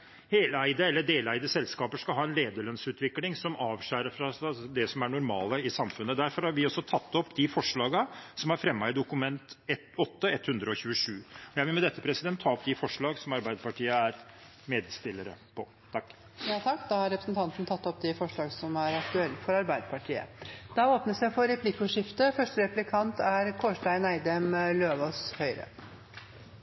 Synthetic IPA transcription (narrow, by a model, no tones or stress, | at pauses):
heːlæɪd̪əɛlːəɖ̪eːlæɪd̪əsɛlskɑːpəʂkɑlɦɑːɛnleːd̪əɭœnsʉːt̪ʰʋɪklɪŋsɔmʔɑːʋʂæːɾəfɾɑssd̪ɛsɔmæɳʊɾmɑːləɪsɑmfʉnːəd̪æɾfɔɾhɑɾʋɪɔsːɔt̪ʰɑt̪ːɔpːd̪ɪfɔʂɭɑːɡəsɔmæɾfɾɛmːɑɪd̪ʊkʉmɛnt̪ɛt̪ɔt̪ːəɛt̪ːhʉnd̪ɾəɔçʉːəʂʉːɔjæɪʋɪlmɛd̪ɛt̪ːəpʰɾɛsɪd̪ɛnt̪ʰːɑːɔpd̪ɪfɔʂɭɑːɡsɔmɑɾbæɪd̪əpɑʈiːəæɾ | meːd̪st̪ɪlːəɾə̰pʰɔ | t̪ʰɑkː | jɑːt̪ʰɑkːd̪ɑhɑɾɛpɾəsnt̪ʰɑnt̪nt̪ʰɑt̪ːɔpd̪ɪfɔʂɭɑːɡəsɔmæɾɑkt̪ʉɛlːfɔɾɑɾbæɪd̪əpɑʈʰiːə̰d̪̥ɑoːpnəsjæɪfɔɾɛpʰlɪkːʊʂɪft̪əfœʂʈəɾɛplɪkʰɑnt̪æɾkʰoːʂʈæɪnæɪd̪ɛmløːʋɔshœʏɾə̰